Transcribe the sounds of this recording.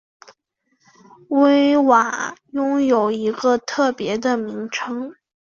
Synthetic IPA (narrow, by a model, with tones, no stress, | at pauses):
we˥ɪwa˨˩˦jʊ˥ŋjo˨˩ʊi˧˥ɡə˧t̪ʰɤ˥˩pjɛ˧˥d̪ə˧mi˧˥ŋʈ͡ʂʰɤ˥ŋ